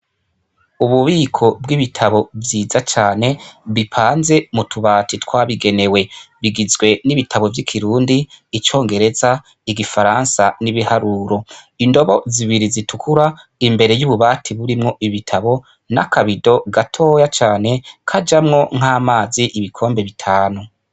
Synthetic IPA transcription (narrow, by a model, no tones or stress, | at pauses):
uβuβiːkʰo̞b̚ɡiβitʰaβo̞vjiːzat͡ʃaːne̞βipʰaːnze̞mutʰuβaːtitwaːβiɡe̞ne̞we̞βiɡizɡwe̞niβitʰaβo̞vjikʰiɾuːndiːt͡ʃo̞ːŋɡe̞ɾe̞za | iɡifaɾansaniβihaɾuːɾo̞ | indo̞βo̞ziβiɾizitukuɾa | imbe̞ɾe̞juβuβaːtʰiβuɾimŋo̞ʔiβitʰaβo̞ | na̰kʰaβido̞ɡatʰo̞ːjat͡ʃaːne̞kʰad͡ʒamŋo̞ŋ̥aːmaːziʔiβikʰo̞ːmbe̞βitʰaːnu